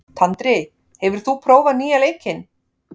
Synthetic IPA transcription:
t̪ʰant̪ɾɪ | hɛvʏɾ̥θupʰɾoːwvaðniːjalejcɪn

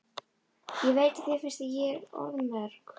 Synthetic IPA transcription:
jɛveːjt̪ɪθɪfɛ̥st̪ɪjɛɾɔ̰ɾmɛðɾ

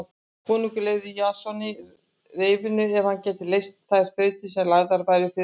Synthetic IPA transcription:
kʰuːnukʏleːɣðɪjaːsɔnɪ | reːjvɪnʏɛv̥hancɛːt̪ɪlejst̪θajɾ̥fœːɥt̪ɪsɛmlaɣðaɾvajɾɪfɪ

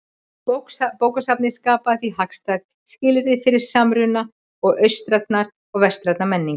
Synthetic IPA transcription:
kpoːwkasap̚nɪskaːpaθiɦakst̪ajð | scɪːlɾɪðfɪɾɪɾ̥samɾʏna | ɔɣœɥst̪ɾat̪naɾ | ɔɣvɛst̪ɾɛt̪namɛnːiŋk

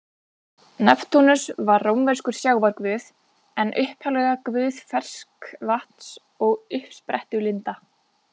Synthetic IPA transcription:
nɛpt̪ʰunʏsvaɾrowmvɛɾ̥skʏɾ̥sjaːwvaɾkvʏːθ | ɛnʔʏhphalɛɣakvʏːθfɛr̥skvaht̪n̥s | ɔɣʏhpspɾɛht̪ʏɣlɪnt̪a

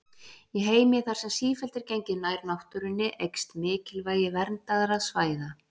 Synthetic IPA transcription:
jɛɣɦeːjmjɪθaɾ̥sɛmsiːfɛlt̪ɪɾ̥cejɲcɪðnajɾnawht̪ʏɾʏnːɪʔejkst̪mɪːcɪlvaːjɪvɛɾnt̪aðaɾaðsvaːjða

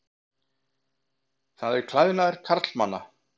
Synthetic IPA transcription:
θaðɛɾkʰlajðɪnaðɛɾ̥kʰaɾt̪lmanːa̰

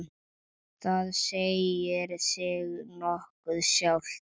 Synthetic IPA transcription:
θaðsejɪɾsɪɣnɔhkʏðsjawlt̪

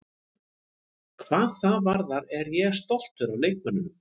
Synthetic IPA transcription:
kʰvaːðθaðvaɾðaɾɛɾjɛɣst̪owl̥t̪ʏɾawleːjk̚mʏnʏm

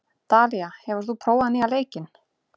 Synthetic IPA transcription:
t̪aːliahɛvʏɾ̥tθupʰɾoːwaðnɪaleːjcɪn

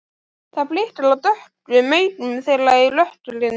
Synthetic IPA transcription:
θaplɪht̪ɪlawt̪œht̪vɪðmeːjɾʏmθɛlaɣɪlœht̪ʏlɪn

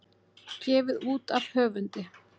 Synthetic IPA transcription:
cɛːvɪðuːt̪av̥hœːvʏnt̪ɪ

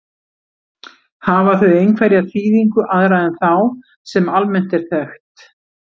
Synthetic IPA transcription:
havaθʏejnkʰvaɾjat̪ʰiːðiŋkʏʔaðɾajðɛnθaw | sɛmalmɛn̥t̪ɛɾ̥θɛxt̪

